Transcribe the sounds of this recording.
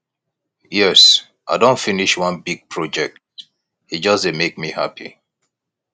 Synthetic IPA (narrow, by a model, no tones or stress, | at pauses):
jɛs | ʔaɪdõntfiniʃwʌ̃nbiɡ̚pʰɹ̥ɔd͡ʒɛk̚t̚ | hid͡ʒʌsdɨmek̚mihapʰḭ